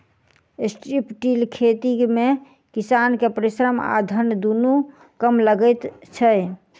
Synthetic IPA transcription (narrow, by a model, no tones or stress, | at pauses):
esʈɾipʈilkʰet̪ime | kisankepəɾisɾəma̰d̪ʱənd̪unu | kəmləɡət̪t͡ʃʰə